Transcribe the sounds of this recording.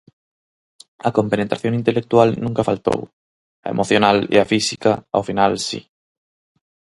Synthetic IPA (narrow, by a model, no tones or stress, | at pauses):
ɐkompenet̪ɾaθjoŋint̪elek̚t̪ualnũŋkafalt̪o̰w | ɐ̰emʔoθjonalḭafisikaa̰finalsḭ